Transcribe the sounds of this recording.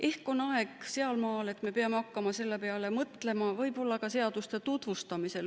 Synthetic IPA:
ʔe̞hko̞nɑe̞ɡ̥se̞ɑlmɑːle̞t̪ːˑme̞peɑmeɑkːɑmɑse̞lːe̞peɑle̞mɤt̪le̞mɑvɤ̞jbo̞lːɑkɑse̞ɑd̪̥ust̪e̞t̪ut̪vust̪ɑmise̞l

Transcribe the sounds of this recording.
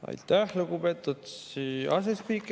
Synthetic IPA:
ɑ̰jt̪ːˑæhluɡupe̞t̪ːˑut̪siɑs̬espiːkːˑ

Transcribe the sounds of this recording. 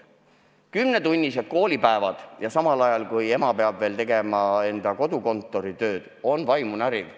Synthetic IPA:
kymnet̪unʲːised̪̥̚ko̞ːlʲipæevɑd̪̥jɑsɑmɑlɑjɑlkuje̞mɑpe̞ɑb̥veːlt̪e̞ɡ̥e̞mɑe̞nd̪̥ɑko̞d̪uko̞nt̪ːˑo̞ɾit̪ø̞ːd̪̥o̞nvɑjmunæɾiv

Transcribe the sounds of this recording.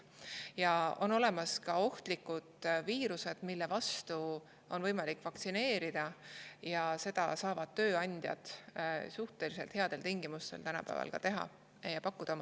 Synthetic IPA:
jɑo̞no̞le̞mɑskɑo̞ht̪likːˑud̪̥viːɾuse̞d̪̥milːe̞vɑst̪u | o̞nvɤ̞jmɑlikːˑvɑkt̪sine̞ːɾid̪̥ɑjɑse̞d̪̥ɑ̰sɑːvɑd̪̥̚t̪ø̞ːɑnʲd̪̥ʲjɑ̰d̪̥suht̪e̞lise̞lt̪eɑd̪̥e̞lt̪iŋɡ̥imust̪e̞̰lt̪ænɑ̰pæ̰ːvɑ̰lkɑ̰t̪e̞ɦɑ̰ | jɑpɑkːˑud̪ɑomɑ

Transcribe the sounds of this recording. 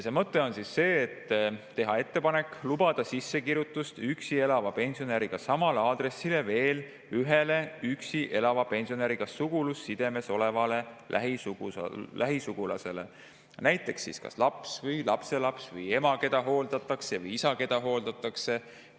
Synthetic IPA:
jjsemɤt̪ːe̞o̞nsisːe̞ːt̪ːtːe̞ɦɑe̞t̪ːe̞pɑne̞kːlubɑd̪̥ɑsisːekiɾjut̪ːˑust̪yksie̞lɑvɑpe̞nʲsio̞neɾiɡ̥ɑsɑmɑleɑːd̪re̞sːile̞ve̞ːl | yɦe̞le̞yksiʔe̞lɑvɑpe̞nʲsio̞neɾiɡ̥ɑssuɡ̥ulusːid̪̥e̞me̞so̞le̞vɑle̞lʔæ̰ɦisu̥̰læɦisuɡ̥ulɑ̰se̞le̞̰ | næjt̪ːˑe̞ksḭskɑ̰slɑpsvɤjlɑpse̞lɑpsvɯje̞mɑke̞d̪ɑɦo̞ːld̪̥ɑt̪ːˑɑksevɤjisɑke̞d̪ɑɦo̞ːld̪ɑt̪ːˑɑkse̞

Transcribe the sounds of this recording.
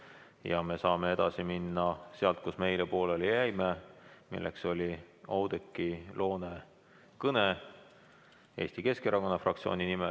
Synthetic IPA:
jɑme̞sɑːme̞e̞d̪̥ɑsiminːɑse̞ɑlt̪̚kusme̞jlepo̞ːlelejæjmemḭlːʔḛkso̞lʲi | ɑwd̪̥ekːilo̞ːne̞ | kɤne | e̞̰ːsʲt̪ike̞ske̞ɾɑko̞nːɑfrʔɑk̚t̪sio̞̰ːninime

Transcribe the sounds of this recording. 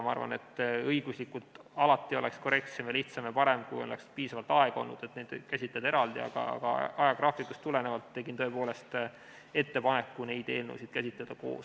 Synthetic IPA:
mɑɑ̰rvɑ̰ne̞t̪ːˑɤjɡ̥uslikːˑut̪ˑɑlɑt̪ːˑioleksko̞ɾe̞k̚t̪se̞mjɑliht̪sɑmjɑpɑɾe̞mkujonlḛkspiːsɑvɑlt̪ɑe̞ɡ̥ɑo̞̰nːṵd̪̥e̞t̪nejd̪kæsʲit̪led̪ɑeɾɑld̪iɑ̰ɡ̥ɑ̰ɑ̰ɡ̥ɑ̰ɑjɑɡ̥rɑːfik̪ːust̪ːule̞nevɑlt̪ːe̞ɡint̪ɤ̞e̞po̞ːle̞st̪ | e̞t̪ːe̞pɑne̞kːune̞jd̪̥e̞ːlnowsid̪̥kæsʲit̪led̪̥ɑko̞̰ːs

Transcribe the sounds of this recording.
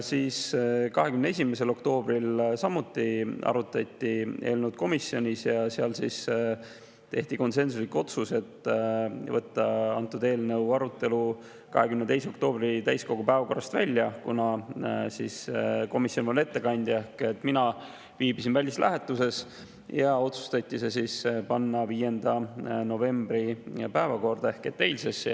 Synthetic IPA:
siːskɑɦe̞kymneesʲimese̞lo̞kt̪o̞ːb̥rilsɑmːut̪ːˑiɑ̰ɾut̪ːˑɑt̪ʲːiʔe̞̰ːlnuwd̪̚ko̞misːjo̞nʲisjɑseɑlsḭs | t̪e̞ht̪iko̞nse̞ns̬uslikːo̞t̪suse̞t̪ː | vɤt̪ˑːɑɑnt̪ːˑud̪e̞ːlnəwɑɾut̪ːˑe̞lu | kɑ̰ɦe̞kymnet̪e̞js̬eo̞k̚t̪o̞ːb̥rit̪æjsko̞ɡ̥upæevɑko̞rːɑst̪væ̰lʲːjɑkunɑsḭsko̞misjo̞npole̞t̪ːe̞kɑnʲd̪̥ʲjehket̪ːˑminɑ | viːbisinvælʲːislʔæɦe̞t̪ːˑuse̞s | jɑo̞t̪su̥st̪ɑt̪ʲːise̞sispɑnːɑviːje̞nd̪̥ɑno̞ve̞mbɾipæevɑko̞rd̪̥ɑe̞hke̞t̪ːe̞jlʲses

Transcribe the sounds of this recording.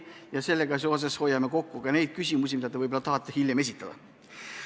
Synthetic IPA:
jɑse̞lːeɡ̥ɑs̬ios̬esho̞jɑme̞ko̞kːukɑne̞jd̪̥̚kysʲimus̬ʲimid̪ɑt̪evɤjbolɑt̪ɑɦɑt̪ˑːehiljeme̞s̬ʲit̪ˑːɑd̪̥ɑ̰

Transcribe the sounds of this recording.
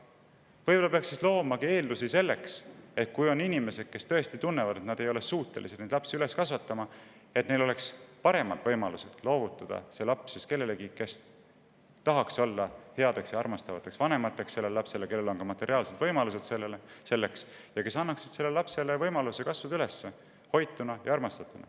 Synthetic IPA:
vɤjbolɑpe̞ɑksislo̞ːmɑkie̞ːld̪usise̞lːe̞kse̞t̪̚kujo̞ninʲime̞se̞d̪̥ke̞st̪ɤ̞e̞st̪it̪unːevɑd̪et̪nɑd̪̥e̞jo̞le̞suːt̪ːˑe̞lḭsned̪lɑpsiyle̞skɑsvɑt̪ːɑmɑ | e̞t̪ne̞jlo̞le̞kspɑɾe̞mɑd̪̥vɤjmɑluse̞d̪̥lo̞ːvut̪ːˑɑd̪̥ɑ̰se̞lɑpsiske̞lːe̞leɡike̞s | t̪ɑɦɑkso̞lːɑhe̞ɑd̪̥e̞ksjɑɑrmɑst̪ɑvɑ̰t̪ːˑe̞ksvɑne̞mɑt̪ːˑe̞ksːe̞lːelelɑpse̞leke̞lːelo̞nkɑmɑt̪ˑːe̞ɾiɑːlse̞d̪vɤjmɑluse̞d̪̥selelse̞lːe̞ks | jɑke̞sɑnːɑksi̥d̪̥se̞lːelɑpse̞levɤjmɑluse̞kɑsvɑd̪yle̞sːe | ho̞jt̪ːˑunɑjɑɑrmɑst̪ɑt̪ːˑunɑ̰

